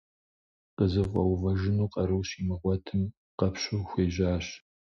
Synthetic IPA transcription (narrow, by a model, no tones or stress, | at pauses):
qəzɨvʷʼɐwvɐʒɪnuːqɐɾɨwɕiːmɨʁʷɔtʰɨm | qɐpʰɕʼuxʷeːʑaːɕ